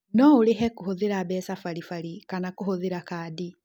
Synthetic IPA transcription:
nɔuleɦɛkuhoðiɾabɛsafaɾifaɾikanakuhoðiɾakaːdi

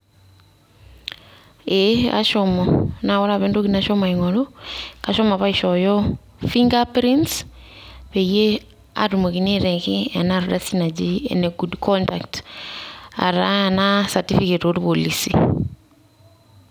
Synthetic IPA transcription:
ea̰ʃɔmɔnawɔɾaβendokinaʃɔmaiŋɔlokaʃɔmaβaiʃɔjɔ | fiŋɡapɾints | peje | a̰ɾumokineɾɛkɪɛnaɾɔdasinad͡ʒiɛ̰nɛɡudkʰɔnta̰kt | a̰ɾanasatifiketotupolisḭ

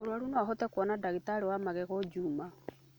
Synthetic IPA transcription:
oɾwaɾunɔɦɔtɛkwɔnadaɣitaɾewamaɣɛɣɔd͡ʒuːma

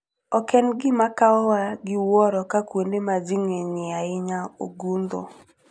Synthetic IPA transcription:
ɔkɛnɡɪmakaɔwaɡɪwɔɾɔkakwondemad͡ʒiŋeɲɪaɪɲao̰ɡund̪o̰

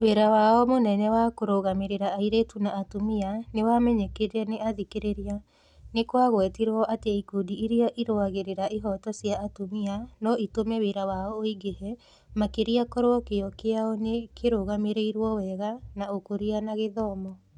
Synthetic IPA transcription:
weɾawaɔmonɛnɛwakoɾoɣameɾeɾaːiɾetunaːtomianewamɛɲɛkeɾɛneaðikeɾeɾia | nekwaɣwɛtiɾɔʔateikudiiɾiɔʔiɾoaɣeɾeɾaʔiɦɔtɔsjaːtomianɔitomɛweɾawaɔoiɡeɦɛ | makeɾiakɔɾoɔkeɔkeaɔnekʰeɾoɣameɾeiɾwɔwɛɣanaokoɾianaɣeðɔmɔ

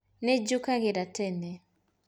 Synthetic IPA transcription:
nɛd͡ʒukaɣɪɾatɛnɛ

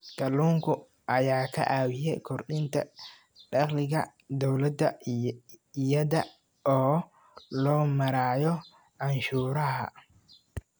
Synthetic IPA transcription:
kɐluːŋkʰʊ | ʔɐjaːkʰɐ̰ʔaːwɪjɛjkʰɔrɗɪnt̪ʰɐ̰ | ɖɑqlɪɣɐ̰d̪ɔwlɐd̪ːɐ | ɪjɐðɐ | ɔː | lɔːmɐɾaːjɔ | ʔɐnʃuːɾɐɦɐ̰

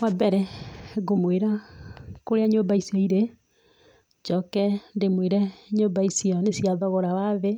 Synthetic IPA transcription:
wabɛɾɛɡomweɾa | koɾeaɲombaisiɔiɾe | d͡ʒɔkɛndemweɾɛɲombaisiɔnesiaðɔɣɔɾawaðe

